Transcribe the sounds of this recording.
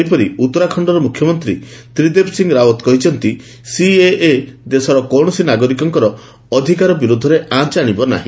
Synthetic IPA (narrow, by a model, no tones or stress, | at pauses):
ipɔɾiut̪ːɔɾakʰɔɳɖɔɾɔmukʰjɔmɔnt̪ɾit̪ɾid̪epsiŋɡɾawɔt̪kɔɦit͡ʃʰɔnt̪i | sieed̪esɔɾɔkɔɽ̃ɔsinaɡɔɾikɔŋkɔɾɔ | ɔd̪ʱikaɾɔbiɾud̪ʱːɔɾeãt͡ʃaɽ̃ibɔna̰ɦĩ